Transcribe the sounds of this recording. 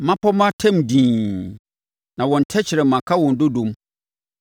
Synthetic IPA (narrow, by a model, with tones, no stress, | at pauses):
mã˦pʰɔ˦mã˦tʰɛ̃˦˨mdĩː˨ | nã˨wɔ̃˨n˨tʰɛ˦t͡ɕʰɪ˨ɾɛ˨mã˨kʰa˦wɔ̃˨n˨do˦dũ˨m